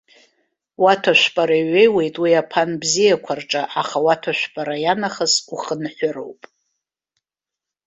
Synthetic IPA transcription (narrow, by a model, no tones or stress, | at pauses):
watʰaʃᶣʷpʼaɾaɥe̞jwe̞jtʼwiapʰanbzijakʷʰarʈ͡ʂʼaʔaχawatʰaʃʷᶣpʼaɾajanaχəsuχənħʷʊɾo̰wpʼ